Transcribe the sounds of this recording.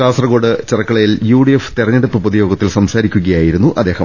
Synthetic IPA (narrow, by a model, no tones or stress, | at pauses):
aːsrɐɡo̞ːɖɨt͡ɕerɐkːɐɭɐjiljuːɽijefɨ̥t̪irɐɲːeɽupːɨpuðijo̞ːɡɐt̪ːilsɐmsaːɾikʲːuɣɐjaːjiɾunːuʔɐd̪eːhɐm